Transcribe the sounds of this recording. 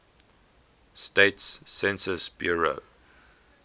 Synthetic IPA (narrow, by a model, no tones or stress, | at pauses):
steɪtsːɛ̃nsəsb̥juɹo̰